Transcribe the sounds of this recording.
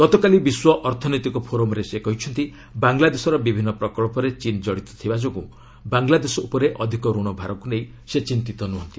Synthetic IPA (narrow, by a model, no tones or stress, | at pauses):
ɡ̥ɔt̪ɔkalibiswɔʔɔɾt̪ʰɔnojt̪ikɔpʰoɾomɔɾesekɔɦit͡ʃʰɔnt̪i | baŋlad̪esɔɾɔbibʱinːɔpɾɔkɔɭɔpɔɾet͡ʃind͡ʒɔɽit̪ɔ̥t̪ʰibad͡ʒɔku | baŋlad̪esɔupɔɾeʔɔd̪ʱikɔɾuɽ̃ɔbʱaɾɔkunej̃ | set͡ʃint̪it̪ɔnuɦɔnt̪i̥